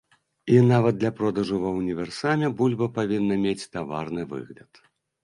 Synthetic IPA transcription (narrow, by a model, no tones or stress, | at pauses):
inavɐd̪̚d̪ːlʲɐpɾɔd̪ɐʐuvɐunʲivʲɛrsamʲɛbulʲbɐpavʲinːɐmʲet͡sʲt̪ava̰rnɨvɨ̰ɣlʲɐt̪